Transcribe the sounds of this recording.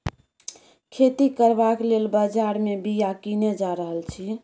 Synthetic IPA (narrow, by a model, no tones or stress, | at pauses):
kʰet̪ikəɾbaklelbəd͡ʒaɾmebijakined͡ʒaɾəɦəlt͡ʃʰi